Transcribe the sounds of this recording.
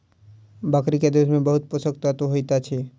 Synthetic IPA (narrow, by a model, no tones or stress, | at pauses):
bakɾiked̪eʃmẽbəɦʊt̪̚pʊsəkt̪at̪oɦojt̪at͡ʃʰe